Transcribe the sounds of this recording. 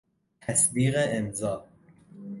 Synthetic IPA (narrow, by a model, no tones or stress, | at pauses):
t̪ʰæsbiːɣeemzɒː